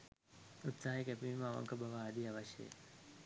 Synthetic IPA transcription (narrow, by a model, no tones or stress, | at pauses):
ut̪saːɦikɛpiʋimːʋɐ̰ŋkəbaʋaːd̪iaʋaɕjḛḛ